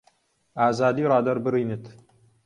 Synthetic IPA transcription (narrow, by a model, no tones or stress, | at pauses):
aːzaːd̪iːɾˤɑːd̪ɐɾbɨɾiːnɨt̪